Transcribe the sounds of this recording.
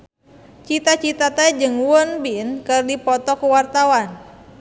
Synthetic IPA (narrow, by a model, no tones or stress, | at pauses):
t͡ʃit̪at͡ʃit̪at̪ɛd͡ʒɨŋwɔnbinkɨrdipɔt̪ɔkuwart̪awan